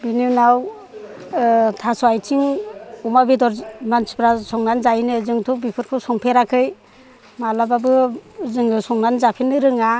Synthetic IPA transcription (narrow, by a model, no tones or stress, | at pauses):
binunaw | tʰasɔajtʰiŋumabidɔɾmanspɾasɔŋnanzajnɯzɯŋtʰɔbipʰɯɾkʰɯsɔŋpʰeɾakʰɯj | malababɯzɯŋɯsɔŋnanzapʰenɯɾɯŋa